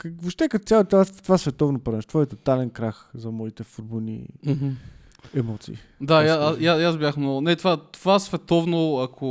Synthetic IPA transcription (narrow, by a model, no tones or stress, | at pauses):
kvoʃt̪ɛkɐt̪t̪sʲalt̪at̪ovasvɛt̪ɔvnopɐɾɛʃt̪ovɔɛt̪ot̪alɛnkɾaxzɐmɔit̪ɛfoɾbolˠnḭ | ɛmɔt̪sḭːd̪ajaajajazbʲjaxmnɔʊnɛt̪ovat̪ovasvɛt̪ɔvnoɐkʰo